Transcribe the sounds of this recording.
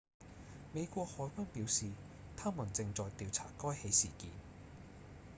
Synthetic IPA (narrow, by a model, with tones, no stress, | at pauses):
me˨˧jkʷɔː˧k̚hɔː˨˧˥jkʷɐ˥npiː˨˥wsiː˨ | t̪ʰaː˥mu˨˩nt͡sɪ˧ŋt͡sɔː˨jt̪iː˨˧wt͡sʰa̰ː˨˩kɔː˥jhe˨˥jsiː˨˩kiː˨n